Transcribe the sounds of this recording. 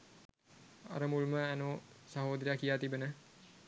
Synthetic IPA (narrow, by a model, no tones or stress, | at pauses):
a̰ɾəmulməænosaɦoːd̪əɾjakijaːt̪ibənə